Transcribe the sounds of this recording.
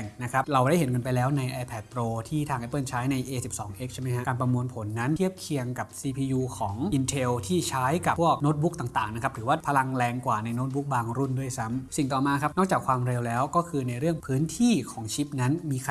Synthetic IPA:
ŋna˦˥kʰɾa˦˥pɾa˧wda˥˩jɦe˩˦nkɤː˧np̬a˧jlɛː˦˥wna˧jʔaː˧pʰɛː˨˩t̪̚pɾoː˧t̪ʰiː˥˩t̪ʰaː˧ŋʔɛ˦˥pɤː˥˩nt͡ɕʰaː˦˥jna˧jʔeː˧si˨˩p̚sɔː˩˦ŋʔe˦˥k̚t͡ɕʰa˥˩ma˦jhʰa˦˥kaː˧npɾa˧mu˧ənpʰo˨˩˦nːa˦˥nʰi˥˩əp̚kʰi˧əŋka˨˩p̚siː˧pʰiː˧juː˧kʰɔː˩˦ŋʔi˧nt̪ʰe˧wt̪ʰiː˥˩t͡ɕʰaː˦˥jka˨˩pʰu˥˩ək̚noː˦˥t̪̚bu˦˥k̚t̪aː˨˩ŋt̪aː˨˩ŋna˦˥kʰa˦˥p̚ɾɯː˩˦waː˥˩pʰa˧la˧ŋlɛː˧ŋkwaː˨˩na˧jnoː˦˥t̪̚bu˦˥k̚baː˧ŋɾu˥˩ndu˥˩əjsa˦˥msi˨˩ŋt̪ɔː˨˩maː˧kʰa˦˥p̚nɔː˥˩k̚t͡ɕaː˨˩kʰwaː˧mɾe˧wlɛː˦˥wkɔː˥˩kʰɯː˧na˧jɾɯ˥˩əŋpʰɯː˦˥nt̪ʰiː˥˩kʰɔː˩˦ŋt͡ɕʰi˦˥p̚na˦˥nmiː˧kʰa˧

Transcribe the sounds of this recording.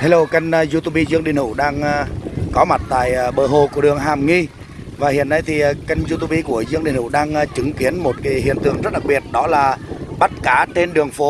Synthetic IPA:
t̪a˨˧˦lo˧wka˧jŋ̟˧zu˧t̪u˧ɓi˧zɨ˧əŋɗi˧˨ənhṵ˧˩ɗaː˧ŋː˧kɔ˨˦ma˨˩t̚t̪a̰ː˧˨jɓə̰ː˧˩ɦo˨˩ku˧˩əɗɨ˨˩əŋɦaː˨˩mŋi˧ | vaː˨˩hḭ˨˧˨ənːa˧jt̪ʰi˨˩˨ka˧jŋ̟zu˧t̪u˧ɓi˧ku˧˩əzɨ˧əŋɗḭ˨˧˨nhṵ˧˩ɗaː˧ŋː˧t͡ɕɨ˨˦ŋki˨˦ənmo˨˩t̚kaː˨˦ɦhḭ˧˨ənt̪ɨ̰˨˩əŋzə˦˥t̚ɗa˨˩ɓi˨˩ət̚ɗɔ˨˦laː˨˩ɓa˦˥t̚kaː˧˩t͡ɕe˧nɗɨ˨˩əŋfo˨˦

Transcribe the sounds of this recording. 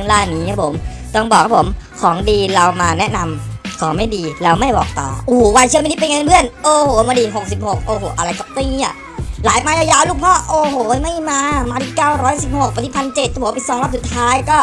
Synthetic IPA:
ŋlaː˥˩nːiː˦˥kʰa˦˥pʰo˩˦m | t̪ɔ˥˩ŋbɔː˨˩kʰa˦˥pʰo˩˦mkʰɔː˩˦ŋdiː˧ɾa˧wmaː˧nɛ˦˥na˧mkʰɔː˩˦ma˥˩jdiː˧la˧wma˥˩jbɔ̰ː˨˩k̚t̪ɔ̰ː˨˩ʔoː˧˩wa˧nt͡ɕʰma˧˨ni˦˥pe˧nŋa˧nbʰɯ˥˩ənʔoː˧˩hoː˨˩maː˧diː˧ɦo˨˩k̚si˨˩p̚ho˨˩k̚ʔoː˧ɦoː˨˩ʔa˧ɾa˧jka˨˩p̚t̪i˥˩˨ŋ˦i˦˧˥ | laː˩˦jmaː˧ja˧˩jaː˧wluː˥˩k̚pʰɔː˦˥ʔoː˧˩hoː˨˩ma˥˩jmaː˧maː˧t̪ʰi˧˩kaː˥˩wɾɔː˦˥jsi˨˩p̚ho˨˩k̚pa˧t̪ʰi˧˥˩pʰa˧nt͡ɕe˨˩t̪̚kaː˦˧˥i˨˧˩t̪sɔː˧ŋla˦˥p̚su˨˩t̪ʰːaː˦˥jkɔː˥˩

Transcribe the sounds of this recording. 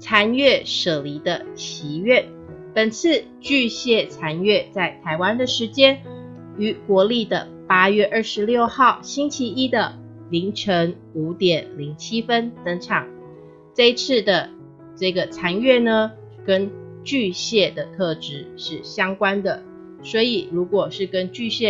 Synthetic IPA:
t͡sʰa˧˥nɥɛ˥˩ʂɤ˨˩li˧˥d̪ə˧t͡ɕʰi˧˥ɥɛ˥˩n | pə˨˩nt͡s̩ʰ˥˧ | t͡ɕy˥˧ɕjɛ˥˩t͡sʰa˧˥nɥɛ˥˧t͡sa˥˩ɪt̪ʰa˧˥ɪwa˥nd̪ə˨ʂɻ̩˧˥t͡ɕjɛ˥n | y˧˥kwɔ˧˥li˥˩d̪ə˩ | pa˥ɥɛ˥˧ʔə˞˥˩ʂɻ̩˧˦ljo˥˧ʊxɑ˥˩ʊɕi˥nt͡ɕʰi˧˥i˦˥d̪ə˨ | li˧˥ŋʈ͡ʂʰə˧˥ŋ | u˧˥t̪jɛ˨˩nli˧˥ŋt͡ɕʰi˥fə˥nt͡sə˧˥ŋʈ͡ʂʰɑ˨˩˦ŋ | ʈ͡ʂɤ˥˧i˧˦t͡sʰɹ̩˥˩d̪ə˩ | ʈ͡ʂɤ˥˩ɡə˩t͡sʰa˧˥nɥɛ˥˩nə˧ | kə˥n | t͡ɕy˥˧ɕjɛ˥˩d̪ə˩t̪ʰɤ˥˧ʈ͡ʂɻ̩˧˥ʂɻ̩˥˩ɕjɑ˥ŋkwa˥nd̪ə˨ | swɔ˧˥i˨˩ɻu˧˥kwɔ˨˩ʂɻ̩˥˩kə˥nt͡ɕy˥˧ɕjɛ˥˩

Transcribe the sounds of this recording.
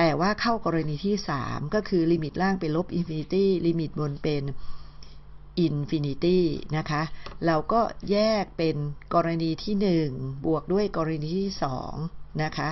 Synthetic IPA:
t̪ɛː˨˩waː˥˩kʰa˥˩wkɔː˧ɾa˧niː˧t̪ʰiː˥˩sa̰ː˩˦mkɔː˥˩kʰɯː˧liː˧mi˨˩t̪̚laː˥˩ŋpe˧nlo˦˥p̚ʔi˧nfi˧ni˧t̪iː˥˩liː˧mi˨˩t̪̚bo˧npe˧n | ʔi˧nfi˧ni˧˥t̪iː˥˩na˦˥kʰa˦˥ʔɾa˧wkɔː˥˩jɛː˥˩k̚pe˧nkɔː˧ɾa˧niː˧t̪ʰiː˥˩nɯ˨˩ŋbu˨˩ək̚du˥˩əjkɔː˧ɾa˧niː˧t̪ʰiː˥˩sɔ̰ː˩˦ŋna˦˥kʰa˦˥

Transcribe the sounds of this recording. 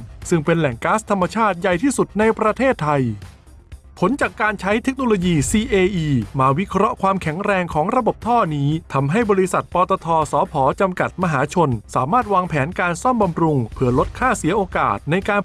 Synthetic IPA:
sɯ˥˩ŋpe˧nlɛ˨˩ŋkaː˦˥st̪ʰa˧mːa˧t͡ɕʰaː˥˩t̪̚ja˨˩jt̪ʰiː˥˩su˨˩t̪̚na˧jpɾa˧t̪ʰeː˥˩t̪ʰːa˧j | pʰo˩˦nt͡ɕaː˨˩kːaː˧nt͡ɕʰa˦˥jt̪ʰe˦˥k̚noː˧loː˧jiː˧siː˧ʔeː˧ʔiː˧maː˧wi˦˥kʰɾɔ˦˥ʔkʰwaː˧mkʰɛ˩˦ŋɾɛː˧ŋkʰɔː˩˦ŋɾa˧bo˨˩p̚t̪ʰɔː˥˩niː˦˥t̪ʰa˧mɦa˥˩jbɔː˧ɾi˦˥sa˨˩t̪̚pɔː˧t̪ɔː˧t̪ʰɔː˧sɔː˩˦pʰɔː˩˦t͡ɕa˧mka˨˩t̪̚ma˧ɦaː˩˦t͡ɕʰo˧nsa̰ː˩˦maː˥˩t̪̚waː˧ŋpʰɛː˩˦nkaː˧nsɔ˥˩mba˧mɾu˧ŋpʰɯ˩ɐlo˦˥t̪̚kʰaː˥˩si˩˦ɐʔoː˧ka̰ː˨˩t̪̚na˧jkaː˧n

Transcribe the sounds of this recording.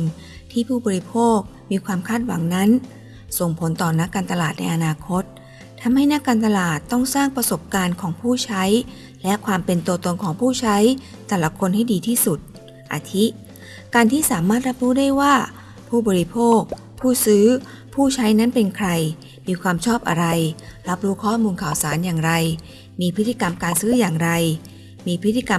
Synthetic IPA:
n | t̪ʰiː˥˩pʰuː˥˩bɔː˧ɾi˦˥pʰoː˥˩k̚miː˧kʰwaː˧mkʰaː˥˩t̪̚wa̰˩˦ŋna˦˥n | so˨˩ŋpʰo˩˦nt̪ɔː˨˩na˦˥kːaː˧nt̪a˧laː˨˩t̪̚na˧jʔa˧naː˧kʰo˦˥t̪̚ʰː | a˧mha˥˩jna˦˥kːaː˧nt̪a˧laː˨˩t̪ːɔ˥˩ŋsaː˥˩ŋpɾa˧so˨˩p̚kaː˧nkʰɔː˩˦ŋpʰuː˥˩t͡ɕʰa˦˥j | lɛ˦˥ʔkʰwaː˧mpe˧nt̪u˧t̪o˧nkʰɔː˩˦ŋpʰuː˥˩t͡ɕʰa˦˥j | t̪ɛː˨˩la˧˦kʰo˧nha˥˩jdiː˧t̪ʰiː˥˩su˨˩t̪̚ | ʔa̰ː˧˩t̪ʰi˦˥ | kaː˧nt̪ʰiː˥˩saː˩˦maː˥˩t̪̚ɾa˦˥p̚ɾuː˦˥daː˥˩jwaː˥˩ | pʰuː˥˩bɔː˧ɾi˦pʰoː˥˩k̚ | pʰuː˥˩sɯː˦˥ | pʰuː˥˩t͡ɕʰa˦˥jna˦˥npe˧nkʰɾa˧j | miː˧kʰwaː˧mt͡ɕʰɔː˥˩p̚ʔa̰˧ɾa˧jɾa˦˥p̚ɾuː˦˥kʰɔː˥˩muː˧nkʰaː˨˩wsaː˩˦njaː˨˩ŋɾa˧j | miː˧pʰɯ˦˥t̪ːi˧ka˧mkaː˧nsɯː˦˥jaː˨˩ŋɾa˧j | miː˧pʰɯ˦˥t̪ʰːi˧ka˧

